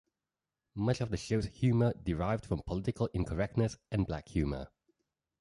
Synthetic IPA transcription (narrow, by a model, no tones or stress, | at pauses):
mʌt͡ʃɔvðəʃoʊz̥hjʉːmədɪɹaɪvd̥fɹə̃mpʰəlɪtɪkəlˠɪ̃nkʰəɹɛk̚tnəsɨ̃nblækhjʉːmə̰